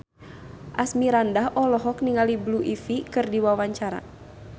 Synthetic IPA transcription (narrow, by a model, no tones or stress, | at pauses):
ʔasmiɾandaɦʔɔlɔɦɔkniŋalibluʔifikɨrdiwawaɲt͡ʃaɾa̰